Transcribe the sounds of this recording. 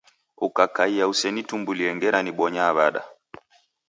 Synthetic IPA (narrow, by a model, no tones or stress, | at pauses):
ukakaijausɛnitumbuliɛŋɡɛɾaniɓɔɲaːβaɗa̰